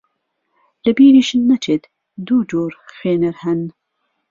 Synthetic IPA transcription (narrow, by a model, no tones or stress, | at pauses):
lɨbiːɾiːʃɨnːɐt͡ʃʰeːt̪ | d̪uːd͡ʒoːɾxeːnɨɾhɛn